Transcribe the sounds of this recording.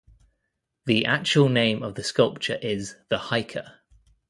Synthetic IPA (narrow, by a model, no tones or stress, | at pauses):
ðiʔak̚t͡ʃəwəlˠnẽɪ̃məvðəskʌlˠp̚t͡ʃəɹʔɪzðəhaɪkʰə̰